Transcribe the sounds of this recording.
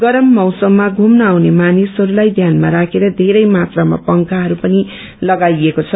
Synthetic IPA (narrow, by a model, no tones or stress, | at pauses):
ɡʌɾʌmːʌwsʌmːaɡʱumnʌawnemanisɦʌɾulajd̪ʱjanmaɾakʰeɾʌd̪ʱeɾʌjmat̪rama̰pʌŋkaɦʌɾupʌni | lʌɡajekot͡sʰʌ